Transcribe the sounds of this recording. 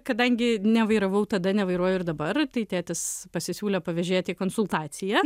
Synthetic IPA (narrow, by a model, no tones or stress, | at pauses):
kɐd̪ɐŋʲɡʲɪnʲɛʋɐɪɾɐʋɐʊt̪ɐd̪ɐnʲɛʋɐɪɾuɔjʊɪɾd̪ɐbɐrt̪ɐɪt̪ʲæːt̪ʲɪspɐsʲɪsʲuːlʲɛpɐʋʲɛʒʲeːt̪ʲiːkoːnsʊlˠt̪ɑːt̪sʲɪjɛ